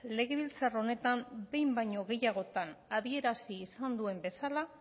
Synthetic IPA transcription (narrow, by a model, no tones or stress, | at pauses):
le̞ɣ̞e̞βilt͡saro̞ne̞t̪ambe̞jmbajɲo̞ɣe̞jaɣ̞o̞t̪anaðie̞ɾasiːsand̪ue̞mbe̞sala